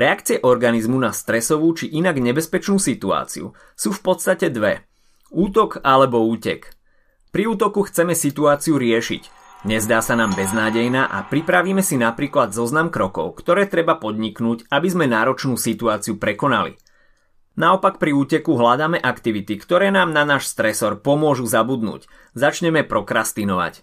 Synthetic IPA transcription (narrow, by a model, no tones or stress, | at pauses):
ɾɛakt͡siɪɛʔɔɾɡanizmunast̪ɾɛsɔʋuːt͡ʃiʔinaɡɲɛbɛspɛt͡ʃnuːsit̪ua̰ːt͡sḭṵ | suːfpɔt̪st̪acɛd̪ʋɛ | uːt̪ɔkalɛbɔuːcɛ̰k | pɾiuːt̪ɔkuxt͡sɛmɛsit̪uaːt͡siuɾɪɛʃḭc | ɲɛzd̪aːsanaːmbɛznaːɟɛjnaʔa̰pɾipɾaʋiːmɛsinapɾiːklad̪zɔznamkɾɔkɔ̰ʊkt̪ɔɾɛːt̪ɾɛbapɔd̪ɲiknuːcabizmɛnaːɾɔt͡ʃnuːsit̪uaːt͡siupɾɛkɔna̰lḭ | naɔpakpɾiuːcɛkuɦlad̪aːmɛʔakt̪iʋit̪ikt̪ɔɾɛːnaːmnanaːʃst̪ɾɛsɔɾpɔmʊɔʒuzabud̪nṵːc | zat͡ʃɲɛmɛpɾɔkɾast̪inɔʋa̰c